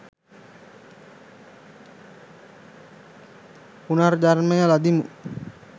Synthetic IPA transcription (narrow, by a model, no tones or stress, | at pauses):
punard͡ʒaɾanmajalad̪imu